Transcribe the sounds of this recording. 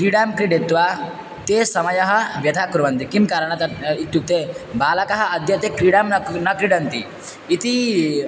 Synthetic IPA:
kɾiɽamkɾiɖet̪ːʋa | t̪esɐmɐjɐɦɐʋjɐt̪akɾuʋɐnt̪ikimkaɾəɳ̃ɐt̪ɐit̪ːjuk̚t̪ebaːlɐkɐɦɐɐd̪jɐt̪ekɾiɽamnɐkɾiɽɐnt̪ḭ | it̪i

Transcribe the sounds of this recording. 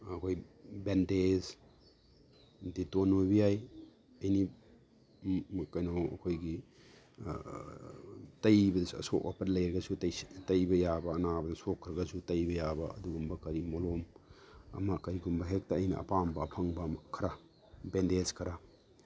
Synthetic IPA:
ɐkʰojbendez | ditonojbijaj | ɐjni | kɐjnowɐ̰kʰojɡi | tɐjbɐdɐsɐ̰soʔwa̰pɐdlɐjɾɐɡɐsutɐjtɐjbɐjabɐːnabɐnɐsokʰːɾɐɡɐsutɐjbɐjabɐɐ̰duɡumbɐkɐɾimolom | ɐ̰mɐkɐɾiɡumbɐɦek̚tɐːjnɐɐ̰pambɐpʰɐŋbɐmkʰɐɾa | bendezkʰɐɾa

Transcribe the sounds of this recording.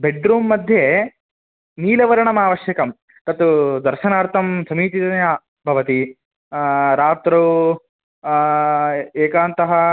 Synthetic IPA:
beɖɾuːmːɐd̪ʱje | niːlɐʋɐɾɐɳɐmaːʋɐʃjɐkɐm | t̪ɐt̪ud̪ɐɾʃɐnaːɾt̪ʰɐmsɐmiːt̪it̪ɐnjaː | bʱɐʋɐt̪i | ɾaːt̪ɾu | eːkaːnt̪ɐɦɐ

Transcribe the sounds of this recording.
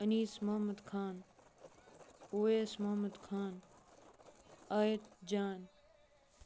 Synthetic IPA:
ɐniːsmɐɦmɐd̪kʰaːn | oːeːsmɐɦmɐd̪kʰaːn | aːjət̪d͡ʒaːn

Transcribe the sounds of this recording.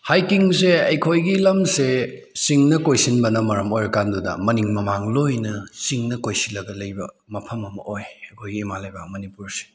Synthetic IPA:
hajkiŋs̬eɐjkʰojɡilɐmse | siŋnɐkojsinbɐnɐmɐɾɐmojɾɐkandudɐ̰mɐniŋmɐmaŋlojnɐsiŋnɐkojsinlːɐɡɐlɐjbɐ | mɐpʰɐmɐmɐ̰ʔojɐkʰojɡiːmalɐjbɐmɐnipuɾse̥

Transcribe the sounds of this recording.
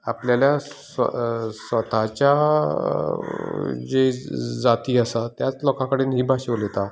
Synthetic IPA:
apljaljasəsʋət̪at͡ɕja | d͡ʑed͡zat̪iːasat̪jat͡slɔkãkəɽiːnɦiːbʱaɕeʋlet̪a

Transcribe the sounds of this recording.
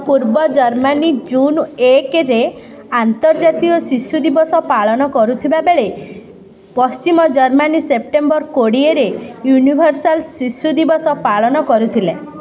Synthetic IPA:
puɾbɔd͡ʒɔɾmanid͡ʒunekɾe | ant̪ɔɾd͡ʒat̪iɔsisud̪ibɔsɔpaɭɔnɔkɔɾut̪ʰibabeɭe | pɔst͡ʃimɔd͡ʒɔɾmanisep̚ʈembɔɾkoɽieɾejunibʱɔɾsalsisud̪ibɔsɔpaɭɔnɔkɔɾut̪ʰile

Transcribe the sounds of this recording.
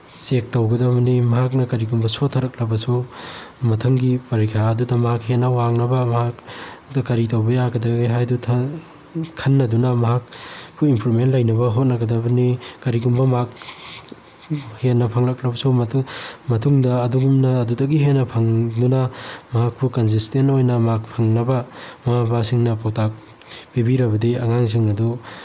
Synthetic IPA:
sek̚tɐwɡɐdɐbɐnimɐɦak̚nɐkɐɾiɡumbɐsotʰːɐɾɐk̚lɐbɐsu | mɐtʰɐŋɡipɐɾikʰjaɐdudɐmɐɦak̚henːɐwaŋnɐbɐmɐɦakdɐkɐɾitɐwbɐjaɡɐdɐɡɡajɦajdutʰ | kʰɐnːɐdunɐmɐɦak̚buimpʰuɾmentlɐjnɐbɐɦot̚nɐɡɐdɐbɐnikɐɾiɡumbɐmak̚ | henːɐpʰɐŋlɐkɾɐbɐsummɐtʰuŋdɐːduɡumnɐːdudɐɡiɦenːɐpʰɐŋdunɐmɐɦak̚bukɐns̬istentojnɐmɐɦak̚pʰɐŋnɐbɐmɐhabasiŋnɐpʰowtak̚ | bibiɾɐbɐdiɐŋaŋs̬iŋɐdu

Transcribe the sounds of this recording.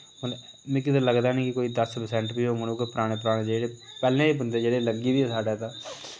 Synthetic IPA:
m | mɪ̃k̬it̪aləɡd̪aːniːkɪkoːiːd̪əspəsɛ̃ːɳʈbiːɦoːmənõːkepəɾaːɽ̃ẽːp̬əɾaːɽẽːd͡ʒeːɽe | pɛːlẽːibənd̪eːd͡ʒeːɽeːləɡiːd̪iːɛːsaːɖat̪aː

